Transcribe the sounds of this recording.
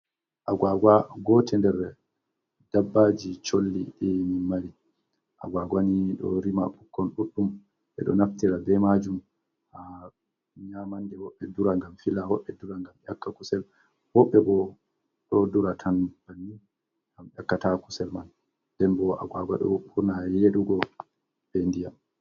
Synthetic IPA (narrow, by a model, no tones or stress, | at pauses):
ʔaɡwaɡwaɡɔtʰɛndɛɾ | dabːad͡ʒit͡ʃolːiɗinimaɾi | ʔa̰ɡwaɡwaniɗɔ̰ɾima̰ɓukːɔnɗuɗum | ʔɛ̰ɗɔnaftiɾabɛmad͡ʒum | ha | ɲamandɛwɔɓːɛduɾaŋɡamfilawɔɓːɛduɾaŋɡamjakːakusɛl | wɔɓːɛbɔ | ɗɔduɾatʰanbanːi | ɡamʔakːataku̥sɛlman | b̥ɛnbɔa̰ɡwaɡwa̰ɗɔ̰ɓuɾnajeɗuɡɔ | b̥ɛndijam